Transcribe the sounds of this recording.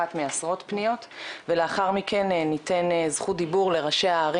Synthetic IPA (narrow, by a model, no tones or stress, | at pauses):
at̪measʁo̞t̪pnijo̞t̪veleaχaʁmikʰe̞nnite̞nzχud̪ibuʁle̞ʁaʃe̞aːʁi